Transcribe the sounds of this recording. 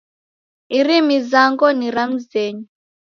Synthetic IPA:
irimizaŋɡɔniɾam̩zɛːɲɔ

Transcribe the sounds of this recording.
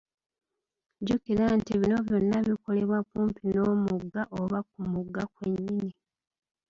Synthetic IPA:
ɟukiɾantiβino̞βjo̞nːaβiko̞le̞βwakuːmpinomuɡːaʔo̞βak̚umuɡːakweɲːini

